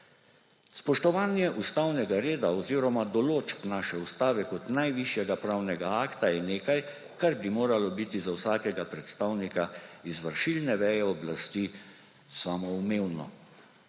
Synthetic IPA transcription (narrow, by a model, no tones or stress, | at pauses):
spɔʃt̪ɔʋaːnjɛʔust̪aːwnɛɡaɾeːd̪aɔziːɾɔmad̪ɔloːt͡ʃpnaːʃɛust̪aːʋɛkɔt̪najʋiʃjɛɡapɾaːwnɛɡaaːkt̪ajɛneːkaj | kaɾbimoːɾalɔbit̪izawsaːkɛɡapɾɛt̪st̪aːwnikaizʋəɾʃilnɛʋɛːjɛɔblast̪i | saːmɔumeːwnɔ̰